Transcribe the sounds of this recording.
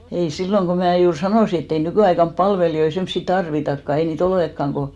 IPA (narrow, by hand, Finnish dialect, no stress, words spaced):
ei silːoŋ ko mæː juːr sɑnoˑsi etː ei nykyˑɑikɑmp pɑlʋelijoi semsːi tɑrʋitɑkːɑ ei niːt olekːɑŋ ko